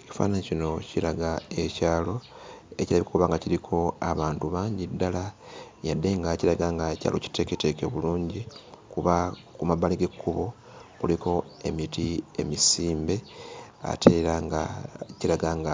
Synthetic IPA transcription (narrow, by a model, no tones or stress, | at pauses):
eci̥fa̰naɲecino̞cilaɡae̞caːlo̞ | e̞cilaβikokuβaːŋɡaciɾikʰo̞aβaːntuβaːɲɟidːalajadːe̞ŋɡaciɾaɡaːŋɡaeca̰ːlo̞̰ci̥te̞ːkete̞ːke̞βuluːɲɟikuβa | kumabaliɡe̞kʰːuβo̞ | kulikʰo̞e̞mitie̞̰misiːmbe̞a̰tʰeɾaɡaciɾaɡaːŋɡa